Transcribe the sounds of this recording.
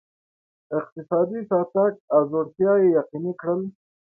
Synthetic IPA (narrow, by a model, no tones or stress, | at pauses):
ɪq̚t̪ɪsɑd̪isɑt̪ak̚azoɽt̪jɑjejɑqinikɽəl